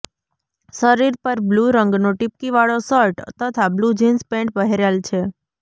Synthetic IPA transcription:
səɾiɾpəɾbluɾəŋɡnoʈip̚kiʋaɭosəɾʈt̪ət̪ʰablud͡ʒinspẽɳʈ̚pəɦeɾjalt͡ʃʰe

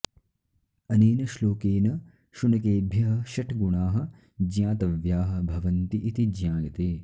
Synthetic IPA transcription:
ɐneːnɐʃloːkeːnɐ | ʃunɐkeːbʱjɐɦɐʃɐʈʰɡuɳaːɦɐ̆ | d͡ʒjaːt̪ɐʋjaːɦɐ̆bʱɐʋɐnt̪iʔit̪id͡ʒjãːɡɐt̪eː

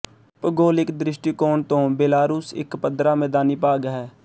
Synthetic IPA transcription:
pəɡoːlɪkd̪ɾɪʃʈikoːɳt̪õːbeːlaːɾuːsɪ̰kpəd̪ɾaːmɛ̃ːd̪aːniːpaːɡɦɛː

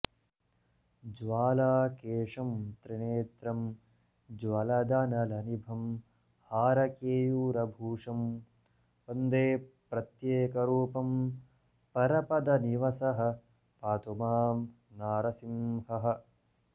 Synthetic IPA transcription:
d͡ʒʋaːlaːkeːʂɐmt̪ɾineːt̪ɾɐm | d͡ʒwɐlɐd̪ɐnɐlɐnibʱɐm | haːɾɐkeːjuːɾɐbʱuːʂɐm | pɐnd̪eːpɾɐt̪jeːkɐɾuːpɐm | pɐɾɐpɐd̪ɐniʋɐsɐɦɐ̆ | paːt̪umaːm | naːɾɐsimhɐɦɐ̆

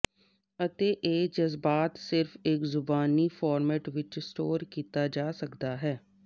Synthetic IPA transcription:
ət̪eːʔeːd͡ʒəzbaːt̪sɪɾfɪkzʊbaːniːfʰaːɾmɛːʈʋɪt͡ʃsʈoːɾkiːt̪aːd͡ʒaːsəkd̪aːɦɛː

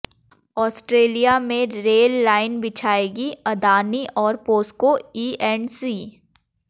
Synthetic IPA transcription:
ɔːsʈɾeːlijamẽɾeːlːaːɪnbɪt͡ʃʰaːeːɡiɐd̪aːniʔɔːɾpoːskoiːɛnsiː

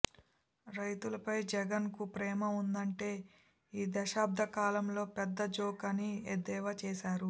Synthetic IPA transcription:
ɾɐjt̪ulɐpɐjd͡ʒɛɡɐnkupɾɛːmɐund̪ɐɳʈe̞ː | iːd̪ɐʃaːb̚d̪ʱɐkaːlɐmlo̞ːpɛd̪ːɐd͡ʒoːkɐnied̪ɛːʋɐt͡ʃɛːʃaːɾu

